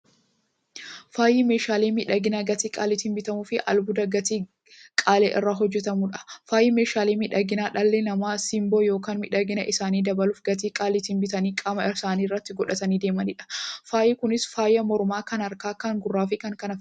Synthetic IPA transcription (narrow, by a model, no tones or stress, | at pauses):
faːjime̞ːʃaːleːmɪᶑɐɡɪnaɡɐt̪iːkʼa̰ːlɪt̪inbɪt̪ɐmuːfɪʔɐ̰lbʊd̪ɐɡɐt̪iː | kʼaːlḛːʔɪ̰rːaːɦɔd͡ʒːɛt̪ɐmuᶑɐ̥faːjɪme̞ːʃaːleːmɪᶑɐɡɪnaːᶑɐlːɛnɐmaːsɪmboːjo̞ːkaːnmɪᶑɐɡɪnɐʔɪsaːniːd̪ɐbɐluːfɡɐt̪̬iːkʼaːlɪt̪ɪnbɪt̪ɐniːkʼɐmɐɪsaːniːrːɐt̪ːɪɡɔᶑɐt̪ɐniːd̪eːmɐnɪᶑɐ̥faːjɪkʊnɪsfaːjɐmɔɾʊmaːkɐnɐɾkaːkɐŋɡʊrːaːfɪkɐŋkɐnɐ